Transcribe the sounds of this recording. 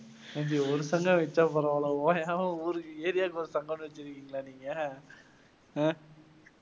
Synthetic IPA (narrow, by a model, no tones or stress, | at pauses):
ɐɲd͡ʒiɔɾɯsɐŋɡɐ̃ʋɛt͡ʃːapɔɾɐʋlɐoːjnaːɐ̃uːɾɯeːɾɪjaːkɔɾɯsɐŋɡɐɳːɯʋɛt͡ʃːɪɾɯkːiːŋɡɐlaːniːŋɡɐ